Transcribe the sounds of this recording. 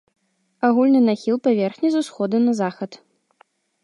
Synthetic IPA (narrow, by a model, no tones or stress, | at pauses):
aɣulʲnɨnaxʲilˠpavʲɛrxnʲɛzusxɔd̪unɐzaxɐt̪